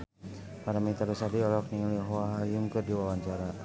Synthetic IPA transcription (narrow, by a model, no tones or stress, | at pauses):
maɾamit̪aɾusadiɔlɔkniŋliɦɔaɦajumkɨrdiwawaɲt͡ʃaɾa